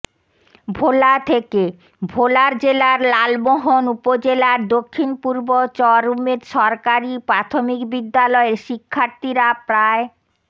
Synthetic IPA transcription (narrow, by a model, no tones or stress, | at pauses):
bʱolat̪ʰeke | bʱolaɾd͡ʑelaɾlalboɦonupod͡ʑelaɾd̪okʰːinpuɾbot͡ɕɔɾumeɾʃɔɾkaɾipɾat̪ʰomikbid̪ːalɔeɾʃikʰːaɾt̪iɾapɾae